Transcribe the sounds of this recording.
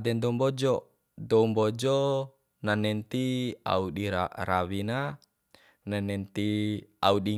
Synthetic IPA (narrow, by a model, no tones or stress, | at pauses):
dɛnd̪ɔmbɔd͡ʒɔ | dɔumbɔd͡ʒɔ | nanɛnt̪ia̰uɗiɾaɾawina | nanɛnt̪iauɗi